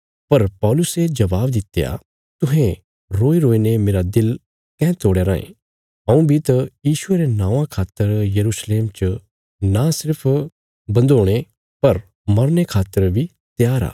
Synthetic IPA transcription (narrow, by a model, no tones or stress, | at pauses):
pɐɾpɔːlʊsed͡ʒɐbaːbd̪ɪt̪ja̰ | t̪ʊɦẽ | ɾoːiɾoːiːnemeːɾad̪ɪl | kɛ̃ːt̪oːɽjaɾãːḛ̃ | ɐ̃ũbʱit̪ɐjiːʃʊeɾenãːʋãkʰaːt̪ːəɾjɐɾusleːmt͡ʃ | nasɪɾpʰ | bɐ̃nd̪oːɽ̃e | pɐɾ | mɐɾnekʰaːt̪ːəɾbʱi | t̪jaːɾa̰ː